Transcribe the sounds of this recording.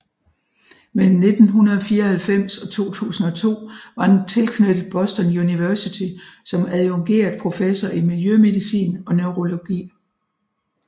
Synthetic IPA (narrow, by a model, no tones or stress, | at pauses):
mel̥n̩ːe̝d̥n̩ɦunɐð̞ˠɒ̽fiːɐɒhælfem̰sɒ̽t͡sʰo̝̰ːt͡sʰṵːsn̩ɒ̽t͡sʰo̝̰ːʋɑ̈d̥ent͡sʰe̝lkʰnød̥ð̩ˠb̥ɒ̽sd̥ɒnjuniʋæɐsit͡sʰisɒ̽mæðˠoŋɡ̥e̝̰ːɐð̩ˠpʰʁo̝fesɒʔimiljøme̝ðˠisḭːnɒ̽nøʊʁo̝lo̝ɡ̥ḭː